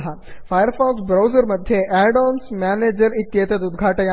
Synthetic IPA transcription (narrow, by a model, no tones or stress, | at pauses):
ɦa | faːjəɾfaːksbɾawzəɾmɐd̪ʱjeʔɛɖɔːnsmaːneːd͡ʒəɾit̪ːjeːt̪ɐt̪ud̪ɡʱaːʈɐja